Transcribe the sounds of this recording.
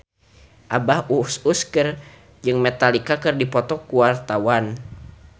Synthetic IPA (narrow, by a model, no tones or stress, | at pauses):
ʔabahususkər | d͡ʒɨŋmɛt̪alikakɨrdipɔt̪ɔkuwart̪awan